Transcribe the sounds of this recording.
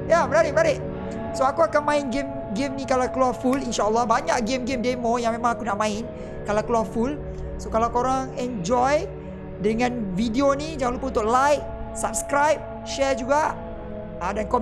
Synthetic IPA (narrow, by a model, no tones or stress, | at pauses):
jamənaɾɪʔmənaɾɪʔ | soakuakanmãinɡem | ɡemnikalawkəluarfulinʃaəlːɔhbaɲaʔk̚ɡemɡemdemojaŋmẽmãŋakunaʔmãɪn | kalawkəluarful | sokalawkoɾaŋɛnd͡ʒɔj | dəŋãnvidionid͡ʒamãlupaunt̪ʊʔlajk̚ | sap̚skɾajp̚ | ʃɛd͡ʒuɡaʔ | adankɔ